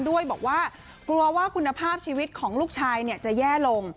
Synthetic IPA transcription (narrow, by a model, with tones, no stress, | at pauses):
ndu˥˩əjbɔ̰ː˨˩k̚waː˥˩ | klu˧ɐwaː˥˩kʰu˧nːa˧pʰaː˥˩p̚t͡ɕʰiː˧wi˦˥t̪̚kʰɔː˩˦ŋluː˥˩k̚t͡ɕʰaː˧jni˦˥˩ət͡ɕa˨˩jɛː˥˩lo˧ŋ